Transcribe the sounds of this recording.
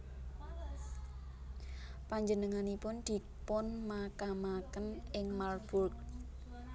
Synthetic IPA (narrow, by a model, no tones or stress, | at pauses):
paɲd͡ʒənəŋanipʊnd̪̥i̤ | pʊnmakamakənɪŋmarb̥urk̚